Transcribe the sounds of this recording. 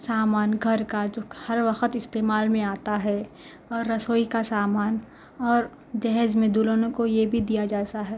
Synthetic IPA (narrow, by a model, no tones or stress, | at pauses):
saːmaːnɡʱɐɾkad͡ʒohɐɾʋɐxət̪ɪst̪eːmaːlmẽaːt̪aɦɛ | ɔːɾːɐsoːikasaːmaːn | ɔːɾ | d͡ʒɛɦzmẽd̪ulonõkojebʱid̪ijad͡ʒaːt̪aɦɛː